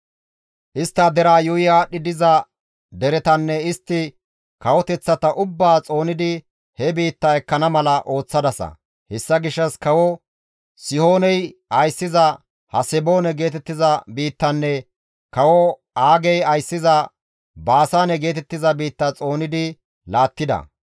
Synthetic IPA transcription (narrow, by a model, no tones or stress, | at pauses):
ʔɪst̪ːɐd̪ɛɾaːjʊɪjaːɗːɪd̪ɪzɐ | d̪ɛɾɛt̪ɐnːɛɪst̪ːɪ | kɐwɔt̪ɛt͡sːɐt̪ɐʔʊbːaːt͡sʼo̞ːnɪd̪ɪ | hɛbiːt̪ːɐɛkːɐnɐmɐlɐʔo̞ːt͡sːɐd̪ɐsɐ̰ | hɛsːɐɡɪʃːɐskɐwɔ | sɪho̞ːnɛjɐjsːɪzɐ | hɐsɛbo̞ːnɛɡe̞ːt̪ɛt̪ːɪzɐbiːt̪ːɐnːɛ | kɐwɔ | aːɡɛjɐjsːɪzɐ | baːsaːnɛɡe̞ːt̪ɛt̪ːɪzɐbiːt̪ːɐt͡sʼo̞ːnɪd̪ɪ | laːt̪ːɪd̪ɐ̰